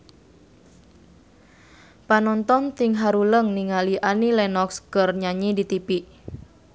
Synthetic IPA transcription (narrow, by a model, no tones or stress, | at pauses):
panɔnt̪ɔnt̪ɪŋɦaɾuləŋniŋaliʔanilɛnɔkskərɲaɲidit̪ipiʔ